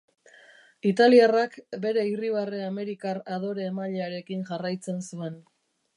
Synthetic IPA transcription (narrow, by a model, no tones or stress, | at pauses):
it̪aliarakbe̞ɾe̞iriβ̞areame̞ɾikaraðo̞ɾe̞ːmaʎeaɾe̞kinʝarajt͡se̞nsue̞n